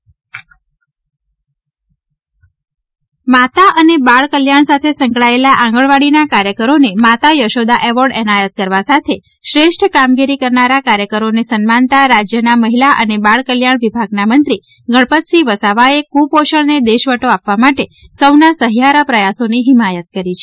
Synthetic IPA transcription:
mat̪aʔənebaɭkəljaɳ̃sat̪ʰesəŋkɭaelaʔãŋ̆ɡəɭʋaɽinakaɾjəkəɾonemat̪ajəʃod̪aʔeʋoɾɖɛnajət̪̚kəɾʋasat̪ʰe | ʃɾeʃʈʰkamɡiɾikəɾnaɾakaɾjəkəɾonesənmant̪aɾad͡ʒjənaməɦilaʔənebaɭkəljaɳ̃ʋibʱaɡnamənt̪ɾi | ɡəɭpət̪siʋəsaʋaekupoʃəɭned̪eʃʋəʈoapʋamaʈe | səwnasəɦjaɾəpɾəjasoniɦimajət̪̚kəɾit͡ʃʰe̥

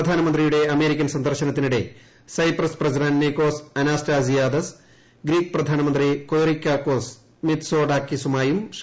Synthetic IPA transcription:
ɐd̪ʱaːnɐmɐnd̪rijuɽe̞ɐme̞ːɾikʲːɐnsɐnd̪ʱɐrɕɐnɐt̪ːinuɽe̞ | sɐjprɐsprɐsiɖɐnneko̞ːsɐnaːstaːsijaːd̪ɐs | ɡɾiːkɨprɐd̪ʱaːnɐmɐnd̪rikoːɾikʲːaːkːoːs | mit̪so̞ːɖaːkːisumaːjum

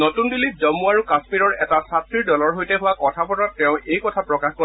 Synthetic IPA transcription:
nɔtundilizɔmuaɹukasmiɹɔɹɛtasatʰɹiɹdɔlɔɹɦojtɛɦʊwakɔtʰapɔtatːɛʊ̃ʔejkɔtʰapɹɔkaxkɔ

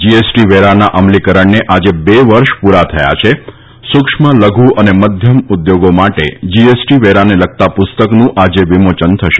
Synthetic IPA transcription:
d͡ʒiesʈiʋeɾanaʔəmlikəɾəɳneʔad͡ʒebeʋəɾʃpuɾat̪ʰəja̰t͡ʃʰe | sʊkʂmələɡʱuʔəneməd̪ʱjəmud̪joɡomaʈḛd͡ʒiesʈiʋeɾanelək̚t̪apʊst̪əknũʔad͡ʒeʋimot͡ʃənt̪ʰəʃe

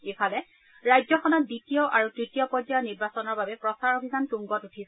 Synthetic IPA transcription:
epʰalɛ | ɹajzɔxɔnɔt̚ditijɔʔaɹutɹitijɔpɔdaɔniɹbasɔnɔɹbabɛpɹɔsaɹobʱizantuŋɡɔtutʰis

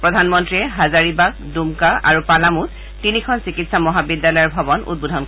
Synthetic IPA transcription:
pɹɔdʱanmɔntɹiɛɦazaɹibak̚ | dumkaʔa̰ɹupalamutː | inikʰɔnsikitsamɔɦabidːalɔjɔɹbʱabɔnṵd̚budʱɔnk

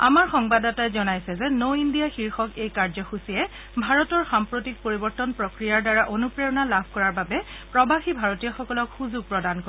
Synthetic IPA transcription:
a̰maɹxɔŋbadatajzɔnajsɛzɛnowindijaxiɹxɔkejkaɹzɔxusiɛ | bʱaɹɔtɔɹxampɹotik̚poɹibɔɹtɔnpɹɔkɹijaɹdaɹaʔonupɹeɔnalabʱkɔɹaɹbabɛ | pɹɔbaxibʱaɹɔtijɔxɔkɔlɔkxuzuɡ̚pɹɔdanko

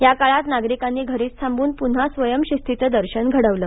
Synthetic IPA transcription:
jakaɭat̪naɡɾikanːiːɡʱəɾiːt͡st̪ʰambuːnpun̤asʋəjəmɕist̪ʰit̪əd̪əɾɕənɡʱəɽəʋləː

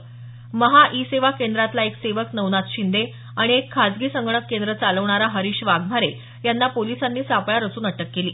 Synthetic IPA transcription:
məɦaʔiseʋakend̪ɾat̪laekseʋəknəʋnat̪ɕind̪e | aɽ̃iekʰːad͡zɡiːsəŋɡɳəkːend̪ɾət͡saləʋɳ̃aɾaɦəɾiːɕʋaɡm̤aɾe | janːapolisanːiːsapɭaɾəsuːnəʈəkːeliː

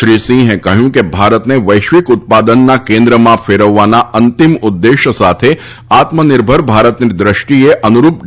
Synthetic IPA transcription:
ʃɾisĩɦẽkəɦjũkebʱaɾət̪neʋəjʃʋɪkʊt̪̚pad̪ənːakẽnd̪ɾəmãfeɾəʋːanaənt̪imʊd̪ːeʃəsat̪ʰe | at̪mənɪɾbʱəɾbʱaɾət̪nid̪ɾɪʃʈieʔənuɾup̚

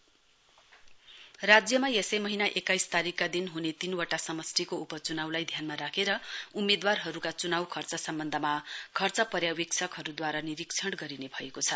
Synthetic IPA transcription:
rad͡zjʌmajesʌjmʌɦinaʔekajst̪aɾikːad̪inɦunet̪inwaʈasʌmʌsʈikoupʌt͡sunawlajd̪ʱjanmaɾakʰeɾʌumːed̪warɦʌɾukat͡sunawkʰʌrt͡sʌsʌmbʌnd̪ʱʌmakʰʌrt͡sʌpʌrjawiksʰʌkɦʌɾud̪waɾaniɾiksʰʌɽɡʌɾinebʱʌekot͡sʰʌ

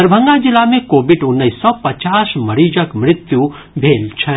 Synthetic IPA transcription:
əɾbʱə̃ŋɡad͡ʒɪlamẽkoːbɪɖʊnːəisːɔpət͡ʃaːsməɾiːd͡ʒəkmɾɪt̪ju | bʱeːlt͡ʃʰɛ

